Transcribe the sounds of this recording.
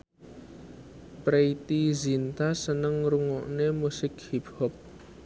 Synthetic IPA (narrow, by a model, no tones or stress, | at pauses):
pɾeit̪izint̪asənəŋɾuŋɔʔnemusɪk̚hibɔp̚